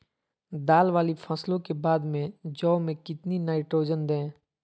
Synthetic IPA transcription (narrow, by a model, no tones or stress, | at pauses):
d̪aːlʋaːlipʰɐslõkebaːd̪mẽd͡ʒɔːmẽkɪt̪ninaːɪʈɾoːd͡ʒənd̪ɛ̃ː